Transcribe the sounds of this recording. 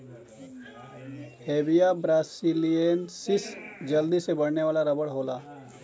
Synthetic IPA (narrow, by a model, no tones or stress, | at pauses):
heːbijabɾaːsilijensɪsd͡ʒɐld̪isebɐɽneʋaːlaɾɐbəɽɦoːlaː